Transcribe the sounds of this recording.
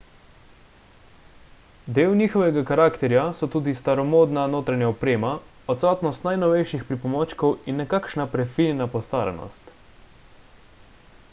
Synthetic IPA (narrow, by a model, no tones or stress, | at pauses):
d̪eːwnʲiːxɔʋɛɡakaɾaːkt̪ɛɾjasɔt̪uːd̪ist̪aɾɔmoːd̪nanoːt̪ɾanjaɔpɾeːma | ɔt̪saːt̪nɔst̪najnɔʋɛjʃixpɾipɔmoːt͡ʃkɔwinːɛkakʃnapɾɛfilnapɔst̪aːɾɛ̰nɔ̰st̪